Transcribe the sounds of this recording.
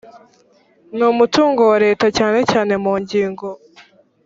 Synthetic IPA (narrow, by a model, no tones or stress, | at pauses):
numutuːŋɡowaɾe̞ːtacaːne̞caːne̞muːɲɟiːŋɡo̞